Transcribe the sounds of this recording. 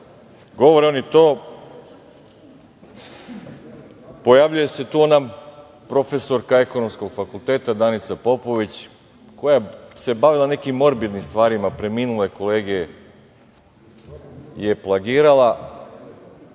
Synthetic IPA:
ɡo̞ʋoɾeonit̪o̞ː | po̞jaʋʎuje̞se̞t̪uːona | pɾo̞fe̞so̞ɾkae̞ko̞no̞msko̞ɡfakulˠt̪eːt̪ad̪anit̪sapo̞po̞ʋit͡ɕ | ko̞jase̞baʋilˠane̞kimːo̞ɾbid̪nimst̪ʋaːɾimapɾe̞miːnulˠeko̞leːɡeje | je̞plˠaɡiːɾalˠa

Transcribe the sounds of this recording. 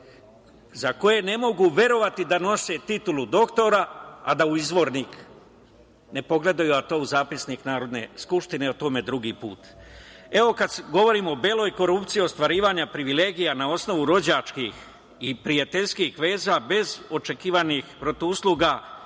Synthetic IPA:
zako̞je̞ne̞mo̞ɡuʋʲe̞ɾo̞ʋat̪id̪ano̞se̞t̪it̪ulud̪o̞kt̪o̞ɾaa̰d̪auizʋo̞ɾnik | ne̞po̞ɡle̞d̪ajuat̪o̞ːuzaːpisniknaːɾo̞d̪ne̞̰skupʃt̪ineot̪o̞ːmed̪ɾuɡiːpuːt̪e̞ʋo̞kad̪sɡo̞ʋo̞ɾiːmoːbeːlˠo̞ːjko̞ɾupt̪sijio̞st̪ʋaɾiːʋaɲapɾiʋile̞ːɡijanao̞sno̞ʋuɾo̞d͡ʑat͡ʃkix | ipɾijat̪e̞ʎskixʋe̞ːzaːbe̞zo̞t͡ʃe̞kiːʋanixpɾo̞t̪ousluɡa

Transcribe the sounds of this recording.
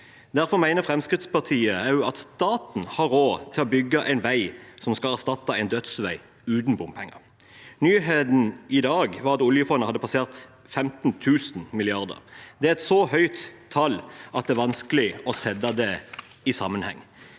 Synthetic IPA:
d̪æʁfɔʁmæɪnəʁfʁɛmskʁɪt̪spɑʁt̪ʰiːəɑt̪st̪ɑːt̪n̩hɑɾoːt̪ʰɪlɔbʏɡːɑʔæɪnʋæɪsɔmskɑlæʁst̪ɑt̪ːɑɛɪnd̪œt̪sʋæɪ | ʉːt̪n̩bʊmpʰɛŋːɑ̰ʁ | nyːɦeːd̪n̩ɪd̪ɑːɡʋɑʁɑt̪ʊljəfɔnːəhɑd̪ːəpʰɑseːʁt̪ | fɛmt̪n̩t̪ʰʉːsn̩mɪlɪɑʁd̪ə̰ʁd̪ɛæɛt̪sɔhœʏt̪ʰːɑlːʔɑt̪̚d̪ɛæːɾʋɑnskəlɪɔsɛd̪ɑd̪ɛ | ɪsɑ̰mːənhɛ̰ŋː

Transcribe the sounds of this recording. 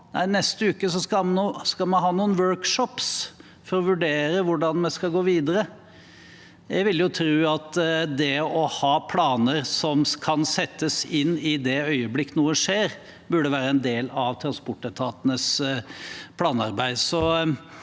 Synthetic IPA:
næ̰ɪnɛst̪əʉːkəs̬ɔskɑmnuskɑmɑnɦɑːnuːənʋœːɹkʂɔps | fɔɾɔʋʉɖeːɾəʋʊɖɑnmɛskɑlɡoːʋiːd̪əɾə | jæʋɪljʊt̪ʰɾʉːɑt̪d̪ɛɔhɑːpʰlɑːnəɾsɔmkʰɑnsɛt̪ːəsɪnːɪd̪ɛœʏəblɪkːənuːəʂeːɾ | bʉɖəʋæːɾəɛnd̪eːlɑʋt̪ʰɾɑnspɔʈːət̪ʰɑːt̪ənəs | pʰlɑːnɑ̰ɾbæɪd̪sɔ

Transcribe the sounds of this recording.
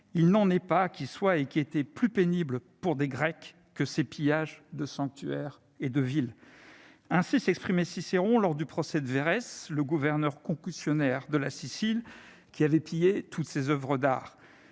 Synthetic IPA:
ilnɑ̃nɛpakʲʰiswaekʲiet̪ɛplypenibləpuʁd̪eɡʁɛkː | əsepijaʒd̪əsɑ̃k̚t̪yɛʁ | ed̪əvil | ɛ̃sisɛkspχimɛsiseʁɔ̃lɔʁd̪ypχɔsɛd̪əveʁɛsləɡuvɛʁnœʁkɔ̃kysjɔnɛʁd̪əlasisil | kʲiavɛpijet̪ʰut̪sezœvʁəd̪a̰ːʁ

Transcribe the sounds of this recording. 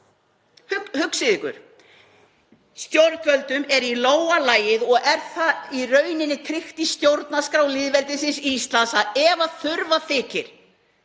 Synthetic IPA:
hʏhʏksɪðɪkʏ̰ɾ̥ | st̪jowɾcœlt̪ʏmɛɾiloːwalaːjɪðɔɣɛɾ̥θairœɥnɪnːɪkʰɾɪxt̪ist̪jowɾt̪naskɾawlɪːðvɛlt̪ɪsɪnsiist̪lansaɛvaθʏɾvaθɪːcɪɾ̥

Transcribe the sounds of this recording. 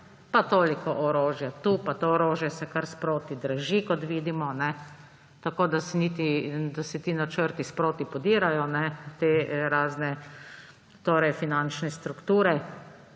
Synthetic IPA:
pat̪oːlikɔʔɔɾoːʒjat̪upat̪oɔɾoːʒjɛsɛkaɾspɾoːt̪id̪ɾaʒikɔt̪ʋiːd̪imɔnɛ | t̪akoːd̪asɛnit̪id̪asɛt̪iːnat͡ʃəɾt̪ispɾoːt̪ipɔd̪iːɾajɔnɛt̪eɾaːznɛ | t̪oːɾɛjfinant͡ʃnɛst̪ɾukt̪uːɾɛ

